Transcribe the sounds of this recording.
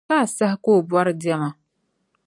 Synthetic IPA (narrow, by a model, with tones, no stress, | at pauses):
aː˦˨sa˦hɪ˦koː˦˨bwa˦ɾdɪ˦ɛ˦ma˨